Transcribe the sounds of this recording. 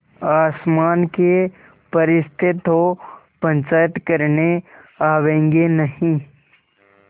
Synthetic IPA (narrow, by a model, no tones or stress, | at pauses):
aːsmaːnke | pəɾɪst̪ʰɪt̪ɦo | pə̃ɲt͡ʃaːjət̪kəɾneaːʋẽːŋɡenɐɦĩ